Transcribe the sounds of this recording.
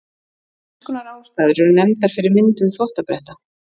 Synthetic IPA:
kʏnaɾaːwst̪aːðʏɾɛɾʏnɛmnt̪θaɾ̥fɪɾɪɾmɪnt̪ʏnfɔht̪apɾɛht̪a

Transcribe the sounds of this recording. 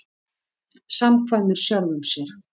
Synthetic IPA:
samkʰvajmʏɾ̥sjœɾðʏmsjɛɾ̥

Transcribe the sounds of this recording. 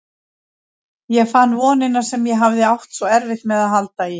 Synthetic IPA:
jɛɣfanːvɔːnɪnḁsɛmjɛɦavðɪawht̪svɔɛɾvɪht̪mɛðaðɦalt̪ai

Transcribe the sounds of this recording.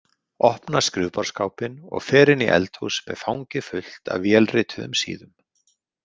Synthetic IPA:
ɔhpnaskɾɪːvpaɾ̥skaːwpɪnɔ̰ɣfɛːɾɪniʔɛ̰lt̪huwsmɛ̰ðfawŋcɪfʏl̥t̪ʰa̰ðvjɛlrɪːt̪ʰʏðʏ̰msḭːðʏm

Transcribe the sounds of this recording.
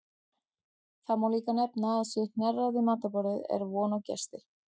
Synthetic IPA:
θamawliːkanɛpnaːðsʏnɛraðɪmaːt̪apɔɾɪðɛ̰ɾvɔːnawcɛ̰st̪ɪ

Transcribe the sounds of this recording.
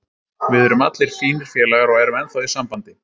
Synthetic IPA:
vɪðœɾʏmat̪lɪɾ̥fiːnɪɾ̥fjɛːlɛɣaɾɔɣɛɾʏmɛnθɔwðɪsampant̪ɪ̥

